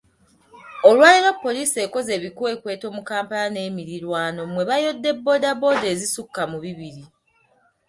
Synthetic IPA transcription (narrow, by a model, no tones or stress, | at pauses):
o̞lwaːliɾapːo̞liːse̞ːko̞ze̞ːβikue̞ːkwe̞ːto̞ːmukaːmpalane̞ːmiɾiɾwaːno̞mwe̞βajo̞dːe̞bːo̞ːdabo̞ːde̞ːzisukːamuβiβiɾi